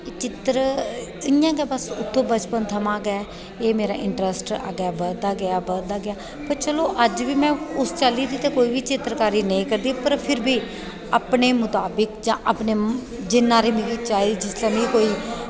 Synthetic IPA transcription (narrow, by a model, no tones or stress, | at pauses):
t͡ʃɪt̪ɾɪjãːɡaːbəsʊt̪ʰːõːbət͡ʃpənt̪ʰəmãːɡɛː | eːmeːɾaːʔɪɳʈɾəsʈa̰ɡaːbəd̪aːɡɪaːbəld̪aːɡɪjaː | pəɾt͡ʃəloːʔəd͡ʒʋiːmɛ̃ːʊst͡ʃaːliːd̪iːt̪eːkoːiːʋiːt͡ʃɪt̪ɾkaːɾiːnə̃ĩːkəɾd̪iːpəɾpʰɪɾbiː | aːpneːmʊt̪aːbəkd͡ʒãːʔapneː | d͡ʒɪnːãːɾeːmĩːkiːt͡ʃaːid͡ʒɪst̪ãːnĩːkoːiː